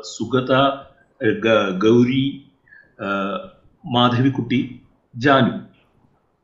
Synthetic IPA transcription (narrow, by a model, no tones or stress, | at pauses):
suɡɐt̪a | ɡɐwɾiː | maːd̪ʱɐʋikuʈi | d͡ʒaːnu